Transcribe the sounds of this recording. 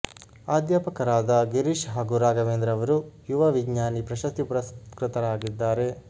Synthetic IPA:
aːd̪jaːpɐkɐɾaːd̪ɐɡiɾiʃɦaːɡuɾaːɡɐʋeːnd̪ɾɐʋɐɾujuʋɐʋiɡɲaːnipɾɐʃɐst̪ipuɾɐskɾɪt̪ɐɾaːɡid̪ːaːɾe̞

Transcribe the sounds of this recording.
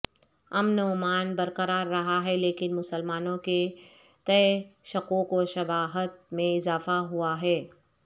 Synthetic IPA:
ɐmnɔːmaːnbɐɾqəɾaːɾːɐɦaɦɛleːkɪnmʊsəlmaːnõke | t̪ɐeʃɐqõkoʃɐbaːɦət̪̚mẽɪzaːfaɦuaɦɛː

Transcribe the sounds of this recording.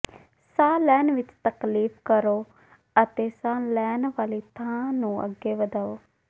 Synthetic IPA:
sãːlɛːnʋɪt͡ʃt̪əkliːpʰkəɾoː | ət̪eːsãːlɛːnʋaːliːt̪ʰãːnũːə̰ɡːeːʋəd̪aːoː

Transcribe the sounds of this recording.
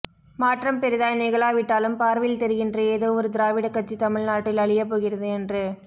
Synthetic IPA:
maːʈrɐmpɛɾɪðaːjnɐɪɣɐɭaːʋɪʈːaːlɯmpaːɾʋɪlt̪ɛɾɯɣɪndrɯeːðoːɔɾɯd̪ɪɾaːʋɪɽɐkːɐt͡ʃːit̪ɐmɪɭnaːʈːɪlɐɭɪjɐp̬ːoːɣɪɾɐðɯɛndrɯ

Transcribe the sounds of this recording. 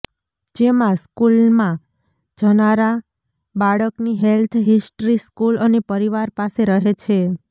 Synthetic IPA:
d͡ʒemãskulmã | d͡ʒənaɾa | baɭəkniɦelt̪ʰɦisʈɾiskulənepəɾiʋaɾpaseɾəɦet͡ʃʰe

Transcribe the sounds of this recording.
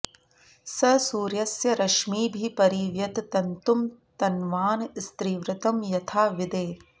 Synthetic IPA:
sɐsuːɾjɐsjɐɾɐʃmiːbʱipɐɾiːʋjɐt̪t̪ɐnt̪umt̪ɐnʋaːnst̪ɾiːʋɾɐt̪ɐmjɐt̪ʰaːʋid̪eː

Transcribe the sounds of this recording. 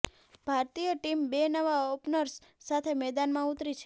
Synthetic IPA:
b̥ʱaɾt̪ijəʈimbenəʋaopnəɾsːat̪ʰemɛd̪anmãut̪ɾit͡ʃʰe̥

